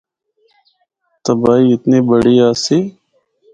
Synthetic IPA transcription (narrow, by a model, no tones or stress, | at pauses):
t̪əbaːiːɪt̪neːbəɽeːaːseː